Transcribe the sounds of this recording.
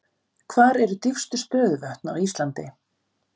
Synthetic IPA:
kʰvaːɾɛɾʏt̪ifst̪ʏspœːðvœht̪na̰wist̪lant̪ɪ

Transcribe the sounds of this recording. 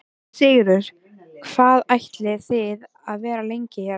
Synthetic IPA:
sɪːɣɾʏɾ̥ | kʰv̥aːðajht̪lɪθɪð | aðvɛːɾalejɲcɪ

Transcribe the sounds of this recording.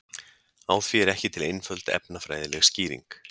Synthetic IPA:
aːwθviɛɾɛhcɪt̪ʰɪlejnfœlt̪ɛ̰pnafɾa̰ːjðɪlɛɣsciːɾḭŋk

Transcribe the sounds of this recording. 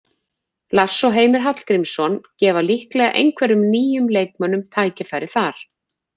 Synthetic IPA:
lasːɔɦeːjmɪɾ̥ɦat̪l̥kɾimsɔncɛːvalihklɛɣa̰ʔḛjŋkʰvɛɾʏmniːjʏmlejkmanʏmt̪ʰaːjcɪfajɾɪθaɾ̥

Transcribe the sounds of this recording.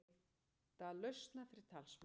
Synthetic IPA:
θalœɥst̪nafɪɾɪt̪ʰalsm

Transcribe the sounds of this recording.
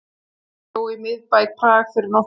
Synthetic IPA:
owɪmɪðpajk̚pʰraːɣ̥fɪɾnɔ

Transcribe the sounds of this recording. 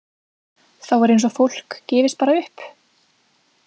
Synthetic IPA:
θawaɾejns̬ɔfowl̥kcɛːvɪst̪̚paːɾaʏhp

